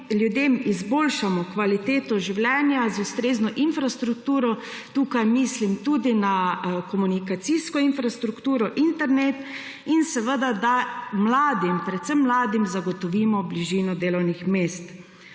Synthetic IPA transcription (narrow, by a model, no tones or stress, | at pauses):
lʲjud̪eːmizboːlʃamɔkʋalit̪eːt̪ɔʒiwljɛːnjazust̪ɾeːznɔʔinfɾast̪ɾuk̚t̪uːɾɔt̪uːkajmislimt̪uːd̪inakɔmunikat̪siskɔinfɾast̪ɾukt̪uːɾɔʔint̪ɛɾnet̪ | insɛʋəd̪ad̪amlaːd̪impɾɛt̪səmːlaːd̪imzaɡɔt̪ɔʋiːmɔbliʒiːnɔd̪eːlɔwnixmeːst̪